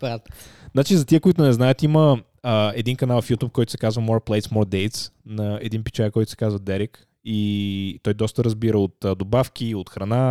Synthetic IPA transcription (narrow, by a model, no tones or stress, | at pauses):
at̪znat͡ʃizɐt̪iəkoit̪ʊnɛznajət̪iməː | ɛd̪inkɐnalˠfjut̪up̚kɔjt̪ʊ̥sɛ̥kazvəmɔɾplˠɛjt̪smɔɾd̪ɛjt̪snɐɛd̪inpit͡ʃaɾɛkɔjt̪ʊsɛ̥kazvəd̪ɛɾik | it̪ɔjd̪ɔst̪əɾəzbiɾəot̪ːd̪obafk̟ʲiot̪xɾɐna